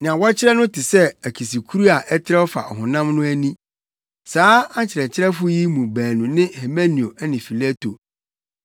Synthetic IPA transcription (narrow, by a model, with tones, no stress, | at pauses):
nɪ̃˨ã˨wɔ˦t͡ɕʰɪ˦ɾɛ˦nʊ̃˦tʰɪ˨sɛ˦æ˨kʰi˨si˨kʰu˦ɾu˦a˨ʔɛ˦tʰɪ˦ɾɛ˦ɔ˦fa̰˨ɔ̰˨ɦʊ̃˨nã˦mnʊ̃˦æ˦nĩ˦ | saː˦ã˦t͡ɕʰɪ˨ɾɛ˨t͡ɕʰɪ˦ɾɛ˦fʊ˦ji˦mũ˨bæː˨nũ˨nɪ̃˦he˨mã˦nĩ˨o˨ɛ˦nɪ̃˨fi˨la˦to˨